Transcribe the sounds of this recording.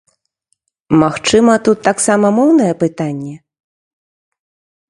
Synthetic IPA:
maxt͡ʂɨmɐt̪ut̪ːaksamɐmɔwn̪ɐjɛpɨt̪anʲːɛ

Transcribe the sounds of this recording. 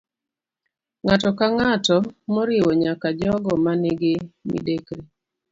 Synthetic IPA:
ŋatɔkaŋatɔmɔɾɪwɔɲakad͡ʒɔɡɔmanɪɡɪmḭdekɾi

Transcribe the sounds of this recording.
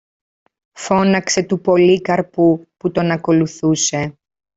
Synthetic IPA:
fo̞nɐkse̞t̪upo̞likɐɾpuput̪o̞nɐko̞luθuse̞

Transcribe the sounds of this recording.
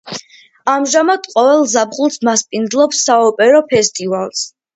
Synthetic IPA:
amʒamad̪̥qʼɔvɛlˠzabqʼulˠsmaspʼind̪zlˠɔpsːaɔpʼɛɾɔpʰɛst̪ʼivalˠs

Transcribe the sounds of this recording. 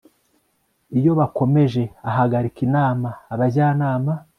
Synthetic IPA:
ijo̞βako̞me̞ʒe̞aɦaɡaɾikinaːmaːβazaːnaːma

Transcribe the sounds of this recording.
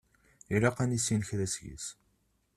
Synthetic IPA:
ilæqænisinəçðæsʝḭs

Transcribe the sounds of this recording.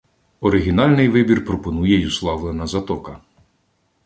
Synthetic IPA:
ɔɾɪɦʲinɑlʲnɪjʋɪbʲirpɾɔpɔnujɛjuslˠɑʋlˠenɐzɐt̪ɔkɐ

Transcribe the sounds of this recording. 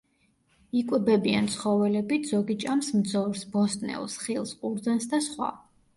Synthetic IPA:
ikʼwɛbɛbia̰nt̪sʰχɔvɛlɛbit̪ʰz̥ɔɡit͡ʃʼamsmd̪zɔɾsbɔst̪ʼnɛ̰lˠsχilˠsqʼuɾd̪zansd̪asχwa̰

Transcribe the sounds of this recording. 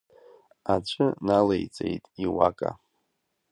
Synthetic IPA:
at͡ɕʷʰɨnalejt͡sʼe̞̰jtʼiwakʼa̰

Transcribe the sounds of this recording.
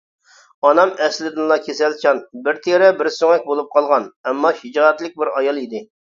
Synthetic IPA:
ɑnɑmɛslɪd̪ɪnlˠɑkʲʰesɛlt͡ʃʰɑnbɪɾt̪ʰeɾɛbɪɾsøŋɛk̚ʲbolˠup̚qʰɑlˠʁɑnɛmːɑʃid͡ʒɑɛt̪lɪk̚ʲbɪɾɑjɑlˠid̪ɪ

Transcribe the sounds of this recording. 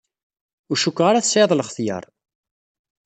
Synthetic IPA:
ʊɾʃukːʁaɾæθseðˤləχθjə̰ɾˤ

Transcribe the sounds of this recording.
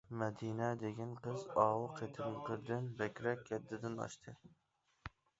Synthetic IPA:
mɛd̪inɛd̪eɡʲɛnqəzɑːwʊqʰet̪ʰɪmqəɾd̪ɪnbɛkʲɾɛkʲːɛd̪ːɪd̪ɪnɑ̰ʃt̪ʰɨ

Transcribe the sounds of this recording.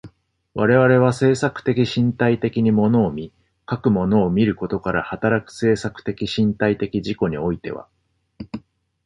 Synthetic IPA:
βaɾe̞βaɾe̞β̞ase̞ːsakɯ̟̥t̪e̞kʲiɕĩnt̪ait̪e̞kʲiɲ̟imo̞no̞ːmʲi | kakɯ̟mo̞no̞ːmʲiɾɯ̟ko̞t̪o̞kaɾahat̪aɾakɯ̟̥se̞ːsakɯ̟̥t̪e̞kʲiɕĩnt̪ait̪e̞kʲid͡ʑiko̞ɲ̟io̞it̪e̞̰βa̰

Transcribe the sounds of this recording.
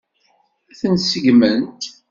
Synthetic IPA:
æθənsəɡmənt̪

